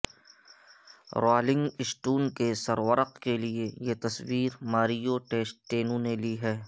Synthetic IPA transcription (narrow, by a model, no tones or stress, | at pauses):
ɾaːlɪ̃ŋɡɪsʈuːnkesɐɾʋəɾəqkeliejet̪ɐswiːɾmaːɾijoʈeːsʈʈeːnũneliːɦɛː